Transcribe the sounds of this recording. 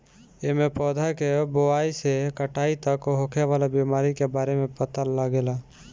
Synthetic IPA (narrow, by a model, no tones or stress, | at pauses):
emẽpɔːd̪ʱakeboaːisekəʈaːit̪əkɦoːkʰeʋaːlabiːmaːɾikebaːɾemẽpət̪alaɡeːlaː